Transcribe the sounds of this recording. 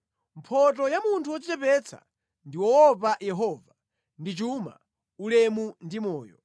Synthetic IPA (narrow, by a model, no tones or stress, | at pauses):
mpʰɔtɔjamuntʰuɔt͡ʃit͡ʃɛpɛt͡sʰa̰ | ndiwɔɔpajɛɦɔːva | ndit͡ʃuma̰ | ulɛmundimɔːjɔ̰